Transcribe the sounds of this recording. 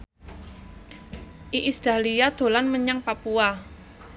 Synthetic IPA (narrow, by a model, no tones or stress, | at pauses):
ʔiʔisd̪̥a̤liad̪̥o̤lanməɲaŋpapua